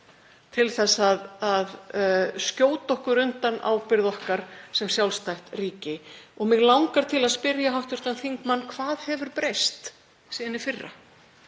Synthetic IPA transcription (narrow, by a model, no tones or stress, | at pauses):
t̪ʰɪlθɛsːaðaðscoːwt̪ɔhkʏɾʏnt̪ana̰ːwpɪɾðɔhkaɾ̥sɛmsjawlst̪ajht̪riːcɪɔɣmɪɣlawŋkaɾ̥t̪ʰɪlaðspɪɾjaɦawht̪ʏɾ̥t̪anθiŋkmanːkʰvaːðhɛvʏɾpɾejst̪ | siːðɪnɪfɪrːa̰